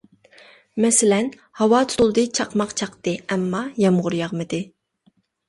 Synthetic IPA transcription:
mɛsɪlɛn | hɑwɑt̪ʰulˠd̪ɨt͡ʃʰɑqmɑqt͡ʃʰɑqt̪ɨɛmːɑjɛmʁʊɾjɑʁmɨd̪ɪ

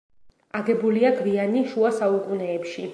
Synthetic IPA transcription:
aɡɛbuliaɡvianiʃuasauqʼunɛːpʃi

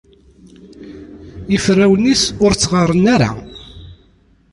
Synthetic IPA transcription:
ifrːæwənisʊɾt͡sːʁərˤːənaɾa̰

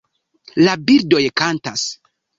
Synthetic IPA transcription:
labiɾdojkantas

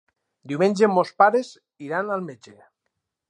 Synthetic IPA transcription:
d̪iumẽnʲd͡ʒemospaɾez | iɾanalˠmed͡ʒe

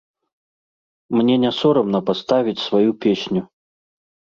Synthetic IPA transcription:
mnʲɛnʲasɔɾɐmnɐpast̪avʲit͡sʲsvajupʲɛsʲnʲu

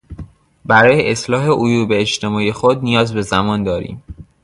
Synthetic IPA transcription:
bæɾɒːjeʔeslɒːɦe̞ʔojuːbeːt͡ʃt̪ʰe̞mɒːijexod̪̚nijɒːzbe̞zæmɒːnd̪ɒːɾḭːm

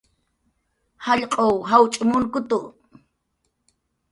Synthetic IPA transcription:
haʎqʼowɦawt͡ʃʼʊmʊŋkʊt̪ʊ

